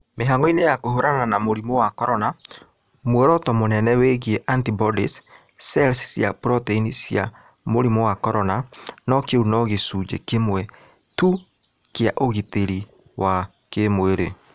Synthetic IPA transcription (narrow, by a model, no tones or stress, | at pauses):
meɦaŋɔinejakoɦoɾananamoɾimowakɔɾɔna | mwɛɾɔtɔmonɛnɛweɣieʔantibɔdis | sɛlsi̥sjapɾɔteinisja̰ | moɾimowakɔɾɔnanɔkeunɔɣesud͡ʒḛkemwɛ | tu | keaʔoɣiteɾi | wa | kemweɾe